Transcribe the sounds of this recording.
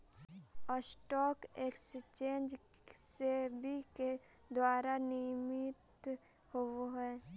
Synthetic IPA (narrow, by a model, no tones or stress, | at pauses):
ɔsʈɔːkekst͡ʃẽːnd͡ʒsebʱike | d̪waːɾanimɪt̪ | hoɦɛː